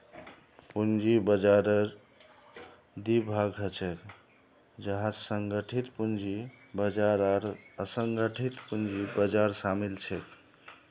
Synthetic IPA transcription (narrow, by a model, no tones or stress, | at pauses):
pund͡ʒibəd͡ʒaɾəɾ | d̪ibʱaɡʱət͡ʃek | d͡ʒəɦãsəŋɡəʈʰit̪pund͡ʒi | bəd͡ʒaɾaɾəsəŋɡəʈʰit̪pund͡ʒibəd͡ʒaɾsamilt͡ʃʰek